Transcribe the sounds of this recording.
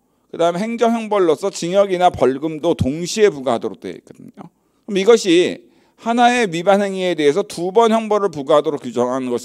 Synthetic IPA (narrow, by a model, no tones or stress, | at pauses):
kɯdaɯme̞ɦeŋd͡ʑʌŋɦjʌŋbʌɭːʌsʰʌt͡ɕiŋjʌɡinapʌɭɡɯmdotoŋɕʰie̞puɡaɦadʌɾok̚t͈weḭk͈ɯdɯ̰ɲo | kɯɾmʌiɡʌɕʰi | hanae̞mibanɦe̞ŋie̞de̞ɦesʰʌtubʌnçjʌŋbʌɾɯɭpuɡaɦadoɾok͈jud͡ʑʌŋɦanɯnɡʌɕʰ